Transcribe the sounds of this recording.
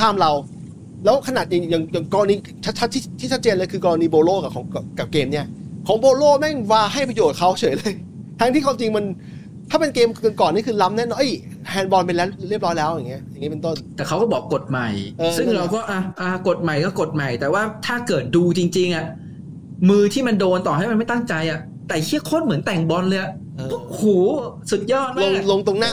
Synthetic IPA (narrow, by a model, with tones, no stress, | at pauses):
kʰaː˥˩mɾa˧w | lɛː˦˥wkʰa˧naː˨˩t̪̚ja˨˩ja˨˩ŋja˨˩ŋkɔː˧ɾa˧niː˧ | t͡ɕʰa˦˥t̪̚t͡ɕʰt̪ʰːiː˥˩t̪ʰiː˥˩t͡ɕʰa˦˥t͡ɕeː˧nlɤː˧jkʰɯː˧kɔː˧ɾa˧niː˧boː˧loː˥˩ka˨˩kʰɔː˩˦ŋ˨˩ka˨˩p̚keː˧mni˥˩ɐkʰɔː˩˦ŋboː˧loː˥˩mɛ˥˩ŋwaː˧ɦa˥˩jpɾa˧joː˨˩t̪̚kʰa˦˥wt͡ɕʰɤː˩˦jlɤː˧j | t̪ʰaː˦˥t̪ʰiː˥˩kʰwa˧mt͡ɕi˧ŋma˧n | t̪ʰaː˥˩pe˧nkeː˧mɤ˧˩nkɔː˨˩nːiː˦˥˩kʰɯː˧la˦˥mnɛ˦˥˨nɔ˨˩ʔj | hɛː˧nbɔ˧npe˧nlɛː˦˥ɾi˥˩əp̚ɾɔː˦˥jlɛː˦˥wja˨˩ŋːi˦˥ɐja˨˩ŋːi˦˥pe˧nt̪o˥˩nt̪ɛː˨˩kʰa˦˥wkɔː˥˩bɔː˨˩kːo˨˩t̪̚ma˨˩jʔɤː˧ssɯ˥˩ŋɾa˧wkɔː˥˩ʔa˧ʔa˧ko˨˩t̪̚ma˨˩jkɔː˥˩ko˨˩t̪̚ma˨˩jt̪ɛː˨˩waː˥˩t̪ʰaː˥˩kɤː˨˩t̪̚duː˧t͡ɕi˧ŋt͡ɕi˧ŋʔa˨˩ | mɯː˧t̪ʰiː˥˩ma˧ndoː˧nt̪ɔː˨˩ha˥˩jma˧nma˥˩jt̪a˥˩ŋt͡ɕa˧jʔa˨˩ʔ | t̪ɛː˨˩kʰi˥˩əkʰo˥˩nmɯ˩˦nt̪ɛ˨˩ŋbɔ˧nlɤː˧ja˨˩ʔ | ʔɤː˧ɔ˥huː˨˩˦su˨˩t̪̚jɔː˥˩t̪̚malo˧˥˧ŋlo˧ŋt̪o˧ŋnaː˥˩